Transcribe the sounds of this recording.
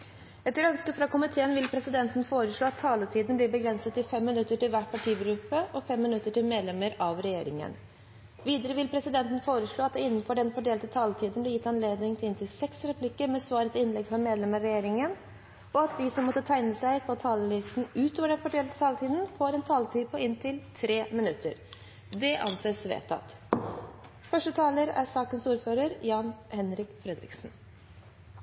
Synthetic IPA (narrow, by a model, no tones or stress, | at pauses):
ɛt̪ːəɾœnskəfɾɑkʊmɪt̪ʰeːənʋɪlpʰɾɛsɪd̪ɛnt̪n̩foːɾəʂɭoːɑt̪ʰːɑːlət̪ʰiːd̪n̩blɪɾbəɡɾɛnsət̪ɪfɛmːɪnʉt̪ːəʈɪlʋæʈ̚pʰɑʈʰiːɡɾʉːpːəʔɔfɛmːɪnʉt̪ːəʈʰɪlmeːd̪lɛməɾɑʋɾɛjeːɾɪ̰ŋə̰n | ʋiːd̪əɾəʋɪlpʰɾɛsɪd̪ɛnt̪ən̩foːɾəʂɭoːɑt̪̚d̪ɛɪnːən̩fɔɖɛnfɔɖeːlt̪ət̪ʰɑːlət̪ʰiːd̪n̩blɪɾjɪt̪ːɑnleːd̪nɪŋt̪ʰɪlɪnt̪ʰɪlsɛksɾɛpʰlɪkːəɾmɛsʋɑːɾət̪ʰɪɪnlɛɡfɾɑmeːd̪lɛməɾɛjeːɾɪŋən | ɔɑt̪̚d̪ɪsɔmːɔt̪ːət̪ʰæɪnəsæɪpʰɔt̪ʰɑːləlɪst̪n̩ʉːt̪ʰoːʋəɖɛnfɔɖeːlt̪ət̪ʰɑːlt̪ʰiːd̪n̩foːɾɛnt̪ʰɑːlt̪ʰiːd̪pʰɔɪnt̪ʰɪlt̪ʰɾeːmɪnʉt̪ːə̰ɾ | d̪ɛʔɑ̰nseːsʋḛːt̪ʰːɑ̰t̪ | fœʂʈət̪ʰɑːləɾæ̰ɾsɑːkənsuːɾføːɾəɾjɑːnhɛnɾɪkfɾɛd̪ɾɪ̰ksn